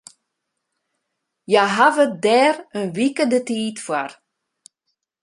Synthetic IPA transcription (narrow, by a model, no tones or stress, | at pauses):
jaɦavədɛːrənʋikədətiːtfwar